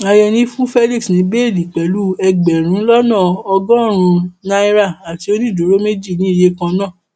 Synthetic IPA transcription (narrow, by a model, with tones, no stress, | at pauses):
a˧jɛ˧nĩ˦fũ˦fɛ˦li˦ksnĩ˨˦be˦e˦˨li˨k͡pɛ˨˦lu˦ɛ˧ɡ͡bɛ˨ɾ̃ũ˨˦lɔ˦nãː˦˨ɔ˧ɡɔ̃˦˨ɾ̃ũ˧na˦i˦ɾa˦˨a˨ti˧˦o˦nĩ˦˨do˨˦ɾo˦me˦d͡ʒi˦˨nĩ˨˦i˧˨je˦kã˧nã˦˨